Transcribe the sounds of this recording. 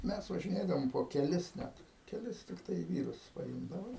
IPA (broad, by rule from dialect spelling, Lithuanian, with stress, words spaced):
ˈmʲɛs ʋɐʒʲɪˈnʲeːdɐʋoːm poː kʲɛˈlʲɪs ˈnʲɛt kʲɛˈlʲɪs tʲɪkˈtɐɪ ˈʋʲiːrʊs pɐˈɪmdɐʋɐ